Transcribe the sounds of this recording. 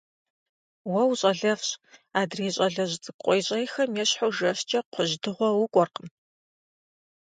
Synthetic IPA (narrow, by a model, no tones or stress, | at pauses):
wɐwɕʼɐɮɐfɕʼaːdreːɕʼɐɮɐʑt͡sʼɨkʷʼqʷʼɔjɕʼɐjxɐmjɛɕħowʒɐɕt͡ʃʼɐqʷʊʑdɨʁʷɔwʊkʷʼɔrqən